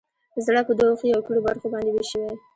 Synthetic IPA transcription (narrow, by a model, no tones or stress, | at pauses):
zɽapəd̪ooxəjawkəlobaɾxobɑnd̪eweʃəwe